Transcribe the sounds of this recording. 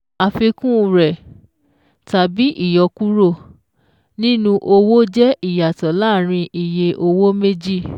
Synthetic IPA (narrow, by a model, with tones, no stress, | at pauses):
a˨fi˧kũ˦˧ɾɛ˨ | ta˨bi˨˦ʔi˦˨jɔ˧ku˦ɾo˦˨ | nĩ˦nũ˧ʔo˧wo˦d͡ʒɛ˦ʔi˦˨ja˨tɔ˨˦laː˦˨ɾ̃ĩ˧ʔi˨je˧ʔo˧wo˦me˦d͡ʒi˦˨